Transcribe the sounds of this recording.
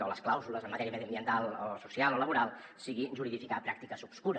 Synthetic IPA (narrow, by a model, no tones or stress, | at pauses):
oləsklawzuləzəmːət̪ɛɾiəmɛðiəmbiənt̪alˠosusialˠoləβuɾalˠ | siɣiʒuɾiðifikapɾak̚t̪ikəzupskuɾə